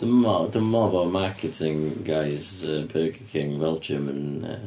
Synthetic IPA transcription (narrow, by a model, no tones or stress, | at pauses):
ðəmɔðəmɔbamaˑkɪtʰɪ̃ŋɡaɪz | əbʰɜːɡəkʰɪ̃ŋvɛlˠd͡ʒə̃mə̃nə̰